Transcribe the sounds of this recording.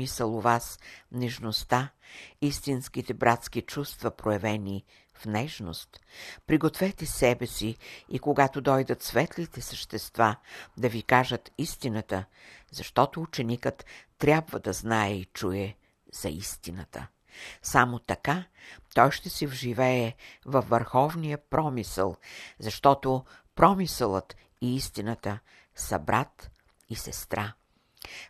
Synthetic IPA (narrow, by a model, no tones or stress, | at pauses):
isəlˠovasnɛʒnost̪aist̪inskit̪ɛbɾʔat̪sk̟it͡ʃust̪vɐpɾojɛvɛni | fnɛʃno̰st̪pɾiɡot̪vɛt̪ɛsɛbɛsiikoɡat̪od̪ɔjd̪ət̪svɛt̪lit̪ɛsəʃt̪ɛst̪vad̪ɐvikaʒət̪ist̪inət̪ə | zɐʃt̪ɔt̪oːt͡ʃɛnikət̪ːɾʲjabvəd̪ɐznaɛit͡ʃujɛ | z̥ɐ̰ist̪inət̪ʰə̰ | samot̪ɐkat̪ɔjʃt̪ɛsɛvʒivɛɛvɐfvːəɾxɔvnijəpɾɔmisə̰lˠzɐʃt̪ɔt̪opɾɔmisəlˠət̪ | iist̪inət̪ə | sɐ̰bɾʔat̪ | isɛst̪ɾʔa